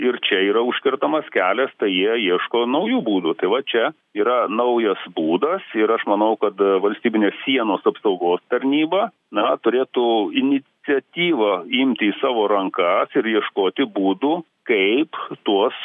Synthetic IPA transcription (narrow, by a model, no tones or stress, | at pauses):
ɪɾt͡ʃʲɛiːɾɐʊʃʲkʲɪɾt̪ɐmɐskʲæːlʲɛst̪ɐɪjiɛjiɛʃkoːnɐʊjuːbuːd̪ut̪ɐɪʋɐt͡ʃʲɛ | iːɾɐnɐʊjɐsbuːd̪ɐsɪɾɐʃmɐnɐʊkɐt̪ʋɐlʲsʲt̪ʲiːbʲɪnʲeːssʲiɛnoːsɐpsɐʊɡoːst̪ɐɾʲnʲiːbɐ | nɐt̪ʊɾʲeːt̪ʊɪnʲɪt͡s̪ʲɛt̪ʲiːʋɐɪmʲt̪ʲɪiːsɑːʋoːɾɐŋkɐsɪɾjiɛʃkoːt̪ʲɪbuːd̪uː | kɐɪpt̪uɔs